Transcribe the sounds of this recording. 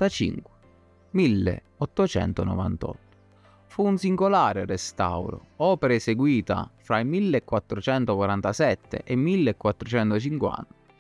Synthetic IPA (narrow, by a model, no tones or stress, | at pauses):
t̪at͡ʃḭŋkwe̥ | milːḛ | ɔt̪ːot͡ʃɛ̰nt̪onɔ̰va̰nt̪ɔ̰t̪ːo̥ | fuːnsiŋɡolaːɾɪrest̪a̰wɾo̰ɔːpeɾeseɡwiːt̪a̰fɾaimilːekːwat̪ːɾot͡ʃɛnt̪okwaɾant̪asɛt̪ːḛʔemːilːekːwat̪ːɾot͡ʃɛnt̪ot͡ʃiŋkwa̰nt̪ḁ